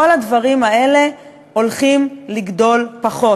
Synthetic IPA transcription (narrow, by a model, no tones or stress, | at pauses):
oladvaʁimae̞le̞ | o̞lχimliɡdo̞lpaχo̞